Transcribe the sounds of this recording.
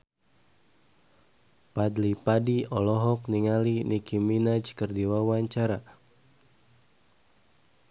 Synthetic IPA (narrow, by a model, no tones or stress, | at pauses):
padlipadiɔlɔɦɔk̚niŋalinʔikiminat͡ʃkərdiwawaɲt͡ʃaɾa